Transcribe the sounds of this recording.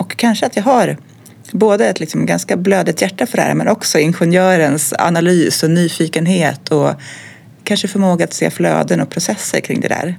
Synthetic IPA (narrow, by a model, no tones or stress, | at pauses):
ɔkʰːanʂəat̪jɑːɡɦaɾ | boːd̪əɛt̪ʰlɪksɔmɡanskabløːd̪ɪt̪jæʈːafœɖɛhæ̰ːɾmɛ̰nʔɔksɔɪnɧɛnjœːɾənsa̰nalyːsɔnyːfiːkənɦeːt̪ʰɔ | kʰanʂəfœɾmoːɡaat̪sḛːflø̰ːd̪ənɔk̚pʰɾʊsɛsːə̰ɾkʰɾɪ̰ŋːd̪ɛ̰d̪æ̰ːɾ